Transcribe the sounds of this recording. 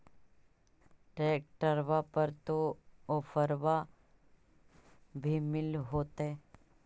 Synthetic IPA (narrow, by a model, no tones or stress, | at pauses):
ʈɾeːk̚ʈəɾʋapəɾt̪oofʰəɾʋa | bʱimɪlɦoːt̪ɦɛ